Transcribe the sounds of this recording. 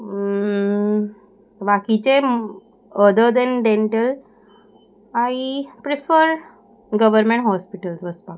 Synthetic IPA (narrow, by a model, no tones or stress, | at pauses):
bakit͡ɕe | əd̪əd̪ɛ̃nɖẽɳʈəl | aipɾifəɾ | ɡəʋəɾmẽɳʈɦɔspiʈəlsʋəspa